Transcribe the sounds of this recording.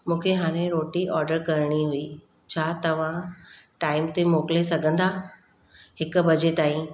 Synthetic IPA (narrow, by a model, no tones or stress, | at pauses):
mũːkʰeɦaːɾ̃ẽɾoːʈiʔɔːɾɖəɾkɐɾɽ̃iɦʊi | t͡ɕʰaːt̪ɐʋ̤ãʈaːɪmt̪emoːklesɐɡʱə̃nd̪aː | hɪkʊbɐd͡ʑeːʈ̪aːĩ